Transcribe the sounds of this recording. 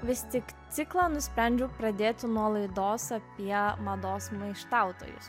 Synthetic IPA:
ʋʲɪst̪ʲɪkt̪sʲɪklˠɑːnʊsʲpʲɾʲɛnʲd͡ʒʲʊpɾɐd̪ʲeːt̪ʲɪnuɔlˠɐɪd̪oːsɐpʲiɛmɐd̪oːsmɐɪʃt̪ɑˑʊt̪o̰ːjʊ̰s

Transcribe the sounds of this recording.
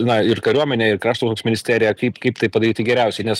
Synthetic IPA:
nɐɪrkɐɾʲuɔmʲɛnʲeːɪrkɾɑːʃt̪okoːksmʲɪnʲɪsʲt̪ʲæːɾʲɪjɛkɐɪpkɐɪpt̪ɐɪpɐd̪ɐɾʲiːt̪ʲɪɡʲɛɾʲæˑʊsʲɛɪnʲɛs

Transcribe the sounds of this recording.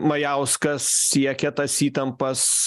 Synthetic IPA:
mɐjæʊskɐssʲiɛkʲɛt̪ɐsiːt̪ɐmpɐs

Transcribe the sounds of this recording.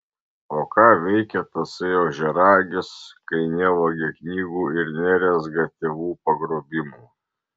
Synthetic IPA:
oːkɑːʋʲɛɪkʲɛt̪ɐseːoːʒʲɛɾɑːɡʲɪskɐɪnʲeːʋoːɡʲɪknʲiːɡuːɪɾnʲæːɾʲɛzɡɐt̪ʲɛʋuːpɐɡɾoːbʲɪmuː

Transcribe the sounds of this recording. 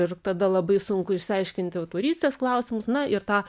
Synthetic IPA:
ɪrt̪ɐd̪ɐlˠɐbɐɪsʊŋkʊɪʃʲsʲɐɪʃʲkʲɪnʲt̪ʲɪt̪uːɾʲiːsʲt̪ʲesklˠɐʊsʲɪmʊsnɐʔɪɾt̪ɑː

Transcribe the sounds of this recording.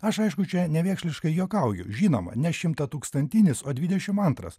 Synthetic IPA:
ɐʃɐɪʃkʊt͡ʃʲɛnʲɛʋʲeːkʃʲlʲɪʃkɐɪjoːkɐʊjʲʊ̰ʒʲiːno̰ːmɐ̰nʲɛʃʲɪmt̪ɐt̪uːkst̪ɐnʲt̪ʲinʲɪsoːd̪ʲʋʲɪd̪ʲɛʃʲɪmɐnt̪ɾɐ̰s

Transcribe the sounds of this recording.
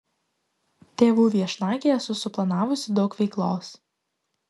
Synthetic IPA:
t̪ʲeːʋuːʋʲiɛʃnɑːkʲeːjɛsʊsʊplˠɐnɑːʋʊsʲɪd̪ɒʊkʋʲɛɪklˠoːs

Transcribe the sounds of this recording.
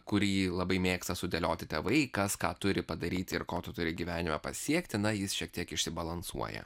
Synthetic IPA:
kʊɾʲiːlˠɐbɐɪmʲeːkst̪ɐsʊd̪ʲɛlʲoːt̪ʲɪt̪ʲeːʋɐɪkɐskɑːt̪ʊɾʲɪpɐd̪ɐɾʲiːt̪ʲɪɾkoːt̪ʊt̪ʊɾʲɪɡʲiʋʲæːnʲɪmɐpɐsʲiɛkt̪ʲɪnɐjɪsʃʲiɛkt̪ʲiɛkɪʃʲsʲɪbɐlˠɐnsṵɔ̰jɛ̰

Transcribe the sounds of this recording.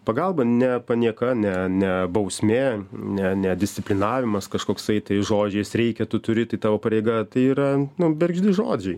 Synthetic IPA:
pɐɡɐlˠbɐnʲɛpɐnʲiɛkɐnʲɛnʲɛbɐʊsʲmʲeːnʲɛnʲɛd̪ʲɪsʲtt͡sʲɪpʲlʲɪnɑːʋʲɪmɐskɐʃkoːkst̪ɐɪt̪ɐɪʒoːd͡ʒʲɛɪsɾʲɛɪkʲɛt̪ʊt̪ʊɾʲɪt̪ɐɪt̪ɑːʋoːpɐɾʲeɪɡɐt̪ɐɪiːɾɐnʊbʲɛrʲɡʒʲd̪ʲɪʒoːd͡ʒʲɛɪ

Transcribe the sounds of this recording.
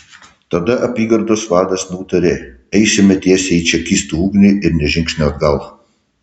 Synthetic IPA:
t̪ɐd̪ɐʔɐpʲiːɡɐɾd̪oːsʋɑːd̪ɐsnʲuːt̪ɐɾʲɪ | ɛɪsʲɪmʲɛt̪ʲiɛsʲɛiːt͡ʃʲɛkʲist̪uːuːɡnʲɪʔɪɾnʲɛʒʲɪŋksʲnʲoɐd̪ɡɐlˠ

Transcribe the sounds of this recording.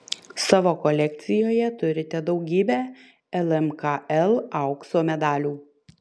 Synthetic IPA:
sɑːʋoːkɔlʲɛk̚t̪sʲɪjoːjɛt̪ʊɾʲɪt̪ʲɛd̪ɒʊɡʲiːbʲɛː | ɛlˠɛmkɑɛlˠɐʊksoːmʲɛd̪ɑːlʲuː

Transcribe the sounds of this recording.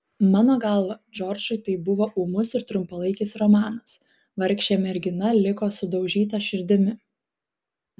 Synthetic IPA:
mɑːnoːɡɐˑlˠʋɐd͡ʒʲɔɾʲd͡ʒʲʊt̪ɐɪbʊʋoːʔuːmʊsɪɾt̪ɾʊmpɐlˠɐɪkʲɪsɾɔmɑːnɐs | ʋɐɾʲkʃʲt͡ʃʲeːmʲɛɾʲɡʲɪnɐlʲɪkoːsʊd̪ɒʊʒʲiːt̪ɐʃʲɪɾʲd̪ʲɪmʲɪ

